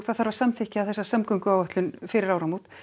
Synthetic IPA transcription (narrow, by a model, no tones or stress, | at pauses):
θaðθaɾvaɾ̥samθɪhcɪaðθɛsːasamkʏŋkʏaːwvœht̪lʏnfɪɾɪɾaːwɾamut̪